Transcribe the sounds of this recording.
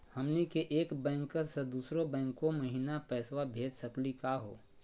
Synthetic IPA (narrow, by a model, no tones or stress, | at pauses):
hɐmnikeʔeːkbɛ̃ːŋkːəɾsed̪uːsɾobɛ̃ːŋkːomɐɦiːnapɛːswabʱeːd͡ʒsɐklikaɦo̰ː